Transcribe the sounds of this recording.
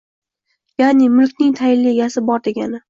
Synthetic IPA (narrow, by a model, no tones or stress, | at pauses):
janɪmʊlˠkʲnɪŋt̪ʰajɪllːieɡʲasɪbɒɾd̪e̞ɡʲanɪ